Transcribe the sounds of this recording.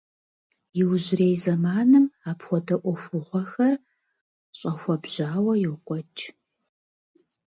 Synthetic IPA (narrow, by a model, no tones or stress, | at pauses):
jɪwʑɪreːjzɐmaːnɨmaːpxʷɔdɐʔʷɔxʷʊʁʷɔxɐr | ɕʼɐxʷɔbʑ̥aːwɐjɛwkʷʼɔt͡ʃʼ